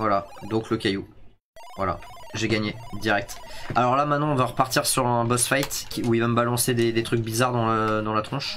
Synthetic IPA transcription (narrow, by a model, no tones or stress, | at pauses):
vwalad̪ɔ̃kləkʲaju | vwala̰ʒeɡaɲed̪iʁɛk̚t̪alɔʁlamɛt̪nɑ̃ɔ̃vaʁəpaʁt̪iʁsyʁɛ̃bɔsfajt̪kʲiuivaməbalɑ̃sed̪ed̪et̪χyk̚bizaʁd̪ɑ̃ləd̪ɑ̃lat̪χɔ̃ʃ